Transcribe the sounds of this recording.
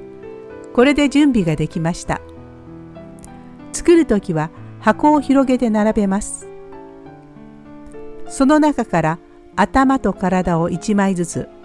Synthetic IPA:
ko̞ɾe̞d̪e̞d͡ʑɨ̃mbʲiɡad̪e̞kʲimaɕi̥t̪a̰ | t͡sɨ̥kɯ̟ɾɯ̟t̪o̞kʲiβahako̞ːçiɾo̞ɡe̞t̪e̞naɾabe̞masɨ̥ | so̞no̞nakakaɾaː | t̪amat̪o̞kaɾad̪ao̞ʔit͡ɕimaizɨt͡sɨ̰

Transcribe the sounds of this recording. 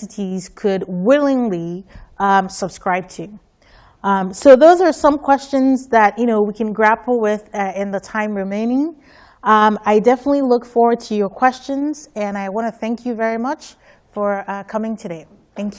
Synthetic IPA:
ɨɾiz̥kʰɨd̚wɪlˠɪ̃ŋliʌ̃səb̥skɹaɪb̚tʰʉ | ʌ̃msoʊðoʊzə˞sʌ̃mkʰw̥ɛst͡ʃɨ̃nzðɨtjʔɨñoʊwikʰɨ̃nɡɹæpl̩ˠwɪðʌɪ̃nðətʰãɪ̃mɹɨmẽɪ̃nɪ̃ŋ | ʌ̃maɪdɛfənətˡlilʊkfɔɹwə˞d̚tʰɨjə˞kʰw̥ɛst͡ʃɨ̃nz̥ɨ̃naɪwɑ̃ñɨθæ̃ŋkʰjɨvɛɹimʌt͡ʃ | fə˞ʌkʰʌmɪ̃ŋtʰɨdeɪ | θæ̃ŋkj

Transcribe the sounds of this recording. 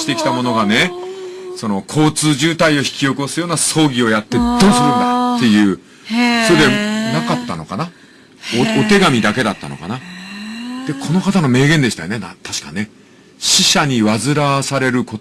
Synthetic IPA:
i̥t̪e̞kʲi̥t̪amo̞no̞ɡane̞ | so̞no̞kʰo̞ːt͡sɨːʑɨːt̪aio̞çi̥kʲijo̞kɯosɨjo̞ːnaso̞ːɡʲio̞jat̪ːe̞d̪o̞ːsɨɾɯ̟̃nd̪at̪ːe̞jɯ̟ː | soɾed̪e̞nakat̪ːano̞kana | ot̪e̞ɡamʲid̪ake̞d̪at̪ːa̰no̞̰ka̰na | d̪̥e̞kʰo̞no̞kat̪ano̞me̞ːɡẽ̞nd̪ei̥t̪a̰jo̞nenat̪aɕi̥ka̰ne̞ | ɕiɕaɲ̟iβazɨɾasaɾe̞ɾɯ̟ko̞

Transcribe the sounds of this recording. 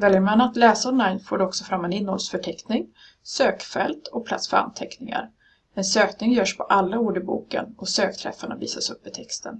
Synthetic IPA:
vɛljəɾmanat̪lɛːsaɔnajnfoːɖɛɔksɔfɾamːɛnɪnːɔlsfœʈʰɛknɪŋ | søːkfɛ̰lt̪ʰɔpʰla̰t̪sfœɾa̰nt̪ʰɛknɪŋa̰ɾ | ɛnsøːknɪŋjœːʂpʰɔʔalːauːɖəbṵːkə̰nʔɔsøːkt̪ʰɾɛ̰faɳa̰vḭːsasɵpːɪt̪ʰɛkst̪ʰə̰n

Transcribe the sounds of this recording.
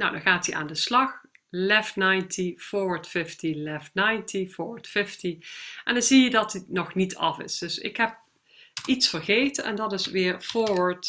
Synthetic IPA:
nowdɑnɣaːtiʔa̰ːndəslɑxlɛftnajntʰiv̥ʊːɹʋətfɪftilɛftnajntʰivoːʋətfɪftiʔɛndɑnzijədɑtinɔχnitʰɑ̰fɪ̰sd̥ɵsɪ̰kɦɛp̚ | itsfərɣejtənʔɛ̰ndɑtɪsʋɪːɹv̥ʊːɹʋaɹt

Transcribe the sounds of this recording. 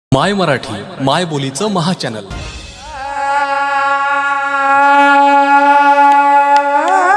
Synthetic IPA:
majməɾaʈʰiːmajbolit͡səməɦat͡ɕænəl

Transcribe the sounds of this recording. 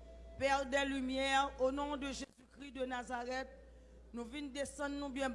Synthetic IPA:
pɛʁd̪ɛlymjɛʁonɔ̃d̪əʒezykʁid̪ənazaʁɛt̪̚ | nũvind̪esɑ̃d̪nũbjɛ̃

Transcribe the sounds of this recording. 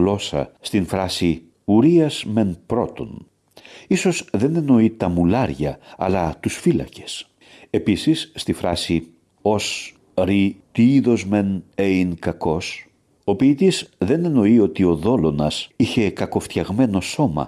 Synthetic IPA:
lo̞sɐ̰st̪infɾɐsi | uɾiɐzme̞npɾo̞t̪o̞̰n | iso̞zðe̞ne̞no̞it̪ɐmulɐɾʝɐɐ̰lɐt̪usfilɐ̰ce̞̥s | e̞pisisːt̪ifɾɐsi | o̞s | ɾit̪iiðo̞zme̞neinkɐko̞s | o̞piːt̪izðe̞ne̞no̞io̞t̪io̞ðo̞lo̞nɐsiçe̞kɐko̞ft̪çɐɣme̞no̞so̞mɐ̰

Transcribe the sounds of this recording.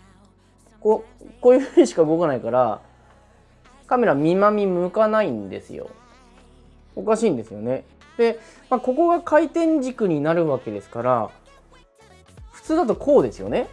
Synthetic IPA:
kokoːjɯ̟ɸɯ̟ɲ̟iɕi̥kaɯ̟ɡo̞kanaikaɾa | kame̞ɾamʲimamʲimɯkanaĩnd̪e̞̰sɨ̰jo̞̰ | o̞kaɕĩːnd̪e̞sɨjo̞ne̞ | d̪̥e̞mako̞ko̞ɡakʰait̪ẽ̞ɲ̟d͡ʑikɯ̟ɲ̟inaɾɯ̟βake̞d̪e̞sɨ̥kaɾa | ɸɯ̟̥t͡sɨːd̪at̪̬o̞kʰo̞ːd̪e̞sɨjo̞̰ne̞

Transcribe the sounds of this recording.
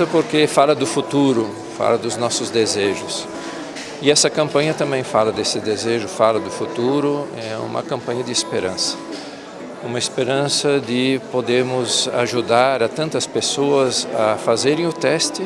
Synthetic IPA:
ɐpoɾkefalɐd̪ʊfut̪uɾʊ | fa̰lɐd̪ʊznɔsʊzd̪ezeʒʊs | ɪɛsɐkɐ̃mpɐ̃ɲɐt̪ɐ̃mbẽj̃falɐd̪esɪd̪ezeʒʊfalɐd̪ʊfut̪uɾʊ | ɛṵ̃mɐ̰kɐ̃mpɐ̃ɲɐd̪ɪespeɾɐ̰̃sɐ̥ | ũmɐespeɾɐ̃sɐd̪ɪpod̪eɾmʊza̰ʒud̪aɾɐt̪ɐ̃nt̪ɐspesoɐzafazeɾẽj̃ʊt̪ɛst̪ɪ

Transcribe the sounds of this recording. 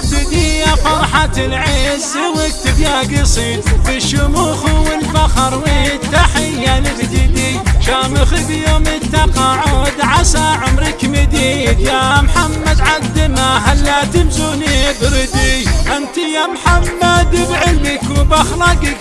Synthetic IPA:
t̪ɪd̪ijafɑɾˤħat̪ɪlʕezːɪwɪk̚t̪ɪbjaɡisˤiːnbɪʃʊmuxʊwɪlfaxɑɾˤwɪt̪ːaħɪjːanɪbd̪ɪd̪ijʃamɪxibjoːmɪt̪ːɑqɑʕʊd̪ʕasaʕʊmɾɪkmɪd̪id̪jamħamːad̪ʕad̪ɪmaɦalːat̪ɪmzunib̪ɾɪd̪ijʔant̪ijamħamːad̪bʕɪlbɪkʊbaxɾˤɑɡɪ

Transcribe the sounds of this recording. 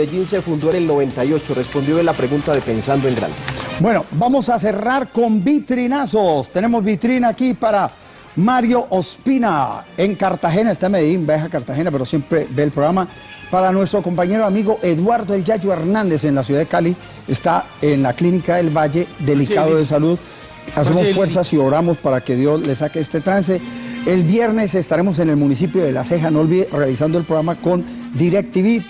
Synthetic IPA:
ed͡ʒinse̞fund̪oene̞lno̞βẽ̞nt̪ajo̞t͡ʃorʔespo̞nd̪joelapɾeɣunt̪aðe̞pe̞nsand̪oe̞ŋɡɾa̰nd̪ebwe̞no̞bamo̞sas̬e̞raɾko̞mbit̪ɾinaso̞st̪e̞ne̞mo̞zbit̪ɾinaːkipaɾa | maɾjo̞ʔospinae̞ŋkaɾt̪axe̞naest̪ameðeimbexakaɾt̪axe̞nape̞ɾo̞sje̞mpɾe̞be̞ːlpɾoɣɾama | paɾanwe̞st̪ɾo̞ko̞mpaɲe̞ɾoamiɣo̞ʔe̞ðwaɾd̪oeld͡ʒad͡ʒoe̞ɾnãnd̪ese̞nlasjuðaðekali | est̪aenlaklinikaðe̞lβaʝe̞ðe̞likaðoðes̬aluð | as̬emosfwe̞ɾs̬asio̞ɾamospaɾake̞ðjo̞zle̞sakeest̪e̞t̪ɾans̬eelbje̞ɾne̞se̞st̪aɾe̞mo̞s̬e̞ne̞lmunis̬ipjo̞ðe̞lase̞xanooːlβiðerealis̬and̪oelpɾoɣɾamako̞nd̪iɾek̚t̪iβi

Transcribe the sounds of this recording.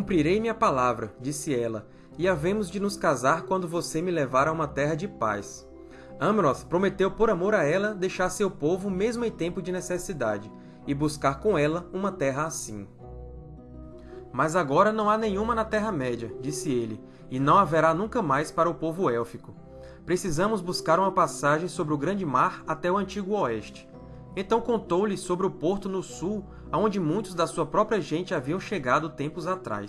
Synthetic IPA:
kũpɾiɾejmiɐpalavɾɐd͡ʒisɪɛlɐ | ɪavẽmʊzd͡ʒɪnʊskazaɾkwɐ̃nd̪ʊvosemɪlevaɾɐũmɐt̪ɛɦɐd͡ʒɪpa̰js | ɐ̃mɾɔspɾomet̪ewpoɾamoɾaɛlɐd̪ejʃaɾsewpovʊmezmʊẽj̃t̪ẽmpʊd͡ʒɪnesesid̪ad͡ʒɪ | ɪbuskaɾkõɛlɐũmɐt̪ɛɦɐasḭ̃ | mɐzaɡɔɾɐnɐ̃w̃anẽjɲ̃ũmɐnɐt̪ɛɦɐmɛd͡ʒiɐd͡ʒisɪelɪ | ɪnɐ̃w̃aveɾanũkɐmajspaɾɐʊpovʊɛwfikʊ | pɾesizɐ̃mʊzbuskaɾũmɐpasaʒẽj̃sobɾɪʊɡɾɐ̃nd͡ʒɪmaɾat̪ɛʊɐ̃t͡ʃiɡʊɔɛʃt͡ʃɪ̥ | ẽnt̪ɐ̃w̃kõnt̪owlɪsobɾɪʊpoɾt̪ʊnʊsu | aõnd͡ʒɪmũj̃t̪ʊzd̪ɐsuɐpɾɔpɾiɐʒẽnt͡ʃɪaviɐ̃w̃ʃeɡad̪ʊt̪ẽmpʊzat̪ɾa̰js

